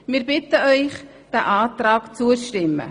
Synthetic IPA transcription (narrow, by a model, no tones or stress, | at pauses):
mɪːɾbɪtəœʏχ | d̥æːʔɑːt̪ɾɑːkt͡suəʃtɪmːə̰